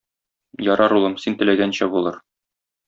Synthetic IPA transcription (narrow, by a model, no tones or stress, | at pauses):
jɒɾɑɾulˠɤmsint̪ɘ̆læɡænɕæbulˠɤɾ